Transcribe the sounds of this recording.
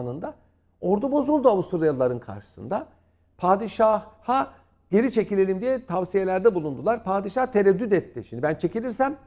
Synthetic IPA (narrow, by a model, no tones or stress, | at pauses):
nɯnd̪a | o̞ɾd̪ubo̞zulˠd̪uavust̪ʰuɾjallːˠaɾɯnkʰa̰ɾʃɯ̥sɯ̰nd̪a | pʰaːd̪iʃahha | ɟe̞ɾʲit͡ʃʰe̞cilʲe̞lʲimd̪ijɛt̪ʰavsije̞lʲæɾd̪ɛbulˠund̪ulˠaɾpʰaːd̪iʃaht̪ʰeɾɛd̪ːyd̪ɛt̪ʰːiʃimd̪ibænt͡ʃʰecilʲiɾsæm